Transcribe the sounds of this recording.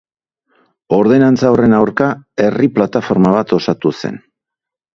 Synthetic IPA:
o̞ɾðe̞nant͡saore̞nawɾkae̞riplat̪afo̞ɾmaβat̪o̞sat̪use̞̰n

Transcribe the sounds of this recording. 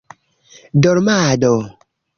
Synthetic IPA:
dɔɾmadɔ

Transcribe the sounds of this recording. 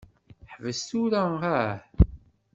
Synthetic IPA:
ħvəst̪uɾææɾ

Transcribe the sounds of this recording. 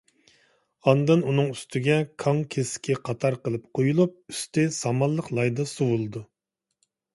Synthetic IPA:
ɑnd̪ɨnunɨŋyst̪ʰɪɡʲɛkʰɑŋkʲʰeskʲʰɛqʰɑt̪ʰɑɾqəlˠɨp̚qʰojulˠup̚y̥st̪ɪsɑmɑlˠːəqlˠɑjd̪ɑsuwulˠɨd̪u

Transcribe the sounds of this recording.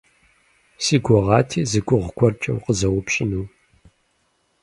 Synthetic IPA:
siːɡʷɔʁɑːtʰeːzɨɡʷʼʊʁɡʷʰʼɔrt͡ʃʼɐ̰wqəzɐwʊpɕʼɪnuː

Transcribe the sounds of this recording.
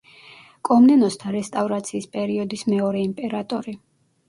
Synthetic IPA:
kʼɔmnɛnɔst̪ʰaɾɛst̪ʼavɾat̪sʰiːspʼɛɾiɔd̪ismɛɔɾɛimpʼɛɾat̪ʼɔɾi

